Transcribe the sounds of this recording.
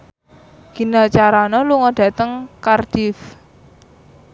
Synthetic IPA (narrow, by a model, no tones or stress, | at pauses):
ɡ̥i̤nat͡ʃaɾanɔluŋɔɖ̥ä̤t̪əŋkard̥if